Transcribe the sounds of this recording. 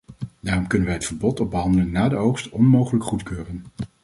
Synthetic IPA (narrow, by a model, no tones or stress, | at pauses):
daːrɔmkɵnənʋɛjɦətfəɹbɔtɔb̚bəɦɑndələnːaːdəowχstɔnmowχələkχutkøːrən